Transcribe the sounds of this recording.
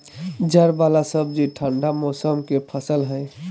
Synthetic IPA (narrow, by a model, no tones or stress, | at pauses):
d͡ʒəɾbalasəbd͡ʒiʈʰəɳɖamɔsəmkepʰəsəlɦə̃ɪ